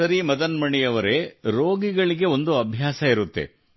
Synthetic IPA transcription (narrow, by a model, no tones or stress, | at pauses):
ɐɾimɐd̪ɐnmɐɳijɐʋɐɾe̞ɾo̞ːɡiɡɐɭiɡe̞o̞nd̪uɐbʱjaːsɐiɾut̪ːḛ